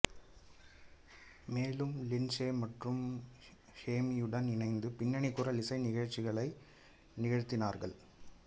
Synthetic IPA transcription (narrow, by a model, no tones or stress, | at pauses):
meːlɯmlɪnseːmɐʈrɯm | heːmijɯɽɐnɪnɐɪnd̪ɯpɪnːɐɳɪkːʊrɐlɪsɐɪnɪɣɐɻt͡ʃːɪɣɐɭɐɪ | nɪɣɐɻɯt̪ːɪnaːɾɣɐ̰ɭ